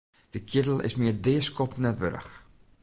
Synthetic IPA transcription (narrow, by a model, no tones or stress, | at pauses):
d̥əkʰjɪtl̩ˠɪ̰smiərdɪəskɔpnɛtʋø̰ɾə̰x